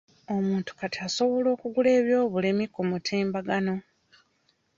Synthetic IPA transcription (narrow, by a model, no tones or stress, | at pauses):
omuːntu̥katiaso̞βo̞lo̞ːkuɡule̞ːβjo̞ːβulemikːomutʰeːmbaɡano̞